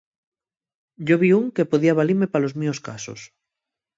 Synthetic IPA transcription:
ɟ͡ʝoβ̞iuŋkepoðiaβ̞aliɾmepalozmioska̰so̰s

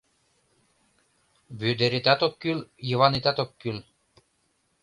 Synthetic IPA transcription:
βød̪eɾit̪æt̪okːyljəvɑnit̪æt̪okːyl

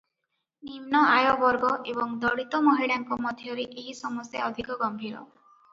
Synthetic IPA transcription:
nimnɔajɔbɔɾɡɔʔebɔŋd̪ɔɽit̪ɔmɔɦiɽaŋkɔmɔd̪ʱjɔɾiʔeɦisɔmɔst̪jaɔd̪ʱikɔɡɔmbʱiɾɔ̰

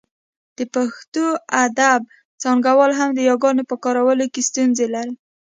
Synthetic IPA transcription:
d̪̥əpaxt̪oad̪ab̚ | t͡sɑŋɡawɑlɦamd̪əjɑɡɑnopəkɑɾawəlokest̪unzelaɾi

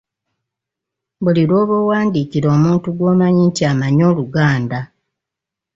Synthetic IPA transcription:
βuliɾoːβowaːndiːkiɾo̞ːmuːntuɡwo̞ːmaɲiːntiaːmaɲo̞ːluɡaːnda

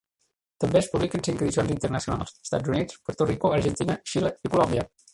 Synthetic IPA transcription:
t̪əmbeəspuβlikənsiŋkəðisionzint̪ərnəsiuna̰lˠsə̥st̪a̰d͡zunit͡spoɾt̪orikoəɾʒənt̪inəʃiləikulɔmbiə

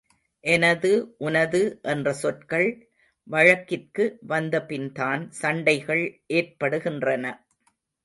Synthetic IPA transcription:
ʔɛnɐðɯʔʊnɐðɯʔɛndrɐsɔʈkɐɭ | ʋɐɻɐkːɪrkɯʋɐnd̪ɐpɪnt̪aːnsɐɳɖɐɪɣɐɭʔeːrpɐɽɯɣɪndrɐnɐ

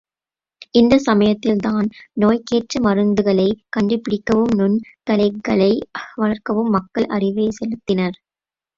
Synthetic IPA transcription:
ʔɪnd̪ɐsɐmɐjɐt̪ːɪlt̪aːnnoːjkeːʈrɐmɐrɯnd̪ɯɣɐɭɐɪkɐɳɖɯpːɪɽɪkːɐʋɯmnʊnk̪ɐlɐɪkːɐɭɐɪʋɐɭɐɾkɐʋɯmːɐkːɐɭʔɐ̰rɪʋeːɪsɛlɯt̪ːɪnɐɾ

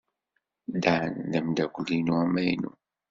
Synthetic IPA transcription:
d̪anðæmd̪ækʷlinuæmːæjnṵ

